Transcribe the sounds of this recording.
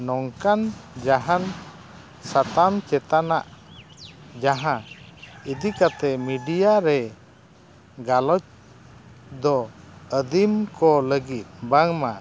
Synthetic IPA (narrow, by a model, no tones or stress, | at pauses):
nɔŋkand͡ʒaɦan | sat̪amt͡ʃɛt̪anaʔ | d͡ʒaɦãid̪ikat̪ɛmiɖijaɾɛ | ɡalɔt͡ʃ | d̪ɔəd̪imkɔləɡit̪̚baŋma